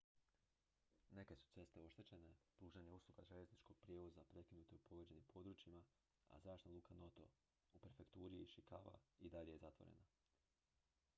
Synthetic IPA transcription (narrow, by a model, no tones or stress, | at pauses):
ne̞ke̞su̥t̪se̞st̪e̞o̞ʃt̪e̞t͡ɕe̞ne̞pɾuːʒaɲeuslˠuɡaʒe̞ʎe̞znit͡ʃko̞ɡ̥̚pɾjeːʋo̞zapɾe̞kinuːt̪eupoʋed͡ʑe̞nimpʰo̞d̪ɾuːt͡ʃima | a̰zɾaːʃtnaluːkʰano̞t̪o̞̰ | upeɾfe̞kt̪uːɾiʃikaːʋa̰id̪aʎejezat̪ʋo̞̰ɾḛna